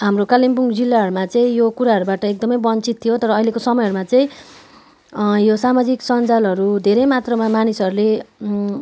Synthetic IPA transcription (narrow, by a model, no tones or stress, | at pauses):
ɦamrokalimpuŋɡd͡zilːaɦʌɾumat͡sʌĩjokuɾaɦʌɾubaʈʌek̚d̪ʌmʌjbʌnt͡sit̪ʰːijot̪ʌɾʌːilekosʌmʌjɦʌɾumat͡sʌĩ | josamad͡ziksʌnd͡zalɦʌɾud̪ʱeɾʌjmat̪rʌmamanisʌɾule